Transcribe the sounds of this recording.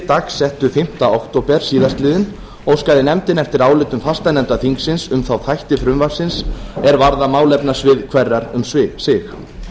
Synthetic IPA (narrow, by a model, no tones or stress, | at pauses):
t̪axsɛht̪ʏfɪm̥t̪aowkt̪owpɛɾ̥siːðast̪lɪːðɪn | ɔwskaðɪnɛmt̪ɪnɛft̪ɪɾaːwlɪːt̪ʏmfast̪anɛmt̪aθiŋksɪnsʏmθawθajht̪ɪfɾʏmvaɾ̥sɪnsɛɾvaɾðamaːwlɛpnasvɪðkʰvɛrːaɾʏ̰msvɪsɪx